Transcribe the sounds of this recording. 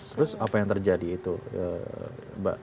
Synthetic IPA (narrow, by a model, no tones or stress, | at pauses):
t̪əɾʊsapajaŋt̪ərd͡ʒadiːt̪uə̰ | ba̰